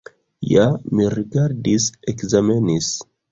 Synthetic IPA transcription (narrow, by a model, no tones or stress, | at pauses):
jamiriɡaɾdisekzamenis